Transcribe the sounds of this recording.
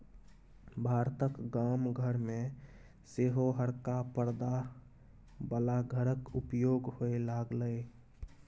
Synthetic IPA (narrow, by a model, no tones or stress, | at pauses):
bʱaɾt̪əkɡamɡʱəɾme | seɦoɦəɾkapəɾd̪a | bəlaɡʱəɾəkupjoɡhoelaɡlə